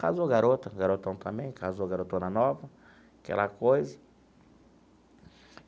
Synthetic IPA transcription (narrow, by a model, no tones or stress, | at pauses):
kazoɡaɾot̪ɐɡaɾot̪ɐ̃w̃t̪ɐ̃mbẽj̃kazoɡaɾot̪õnɐnɔvɐ | kɛ̰lɐkojzɐ